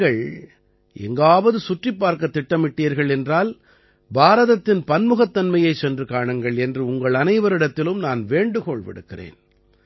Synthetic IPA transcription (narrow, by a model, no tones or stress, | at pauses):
ɐɭ | ʔɛ̰ŋɡaːʋɐðɯsʊʈrɪpːaːɾkɐt̪ːɪʈːɐmɪʈːijɐɾɣɐɭɛndraːl | baːɾɐðɐt̪ːɪnpɐnmɯɣɐt̪ːɐnmɐjɐɪt͡ʃːɛndrɯkaːɳɐŋɡɐɭɛndrɯʊŋɡɐɭɐnɐɪʋɐɾɪɽɐt̪ːɪlɯmnaːnʋeːɳɖɯkɔɭʋɪ̰ɽɯkːɪrḛːn